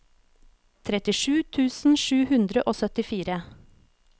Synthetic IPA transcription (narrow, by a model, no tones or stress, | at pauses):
t̪ʰɾɛt̪ɪʃʉːt̪ʰʉːsn̩ʃʉːhʉnd̪ɾəʔoːsœt̪ɪfiːɾə